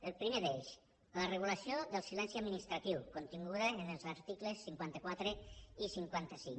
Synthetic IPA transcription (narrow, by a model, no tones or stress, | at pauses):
əlˠpɾimeðeʃ | lərəɣulasioðəlˠsilɛnsiad̪minist̪ɾat̪iwkont̪iŋɡuðaenelˠzaɾt̪ikləsːiŋkwant̪əkwat̪ɾeisiŋkwant̪əsḭŋ